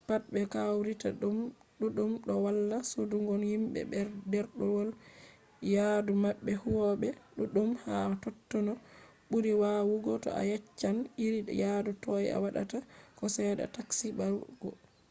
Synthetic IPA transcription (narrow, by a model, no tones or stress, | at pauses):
pat̚ɓɛkawɾita̰ɗum | ɗuɗumɗɔwalːasoduŋɡɔnhimɓɛ̰bɛɾdɛɾɗɔwɔl | jadumaɓːɛhuwɔɓɛɗuɗumhatɔtːɔnɔ | ɓuɾiwaːwuɡɔtɔ̰a̰jɛt͡ʃːaniɾijadutɔja̰waɗa̰takɔsɛːda̰taksibalɡ̥ɔ